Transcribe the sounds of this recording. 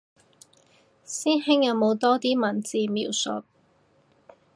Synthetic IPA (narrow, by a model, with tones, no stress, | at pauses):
siː˥nhɪ˥ŋjɐ˨˧wmo˨˧wt̪ɔː˥t̪iː˥mɐ˨˩nt͡siː˨˧miː˨˩wsʊ̰˨˩t̚